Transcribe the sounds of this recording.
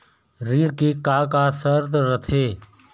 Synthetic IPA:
ɾiːɽkikaːkasəɾd̪ɾət̪ʰeː

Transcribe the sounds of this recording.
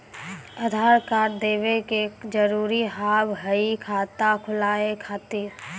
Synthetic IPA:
əd̪ʱaːɾkaːɾd̪eːʋekekd͡ʒəɾuːɾiɦaːbɦəikʰaːt̪akʰʊlaːekʰaːt̪iːɾ

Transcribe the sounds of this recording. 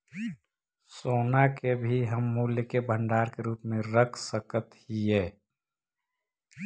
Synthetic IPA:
soːnakebʱiɦəmːuːljəkebʱə̃ɳɖaːɾkeɾuːpmẽɾəkʰsəkət̪hiɛː

